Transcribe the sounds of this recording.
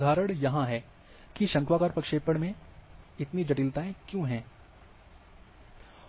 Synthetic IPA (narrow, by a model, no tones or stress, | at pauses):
d̪ʱaːɾəɽ̃jɐɦãɦɛː | kiʃɐ̃ŋkwaːkaːɾpɐkʃeːpəɽmẽɪt̪nid͡ʒɐʈiːlt̪aːẽkjõːɦɛ̃ː